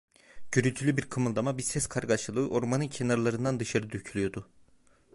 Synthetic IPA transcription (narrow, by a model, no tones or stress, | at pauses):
ɟ̥yɾyt̪ʰylʲybiɾkʰɯmɯlˠd̪amabiɾsɛskʰaɾɡaʃɯlˠɯːʔo̞ɾmanɯncʰenaɾalˠaɾɯnd̪and̪ɯʃaɾɯd̪ycʰylʲyjo̞d̪u